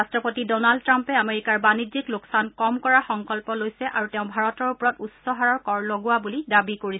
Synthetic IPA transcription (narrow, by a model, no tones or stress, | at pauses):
astɹɔpotidɔnald̚tːɹampɛameɹikaɹbanid͡ʒikloksankɔmkɔɹaxɔŋkɔlpɔlojsɛʔaɹutɛʊ̃bʱaɹɔtɔɹupɔɹɔtutsɔɦaɹɔɹkɔɹloɡʊabulidabikoɹis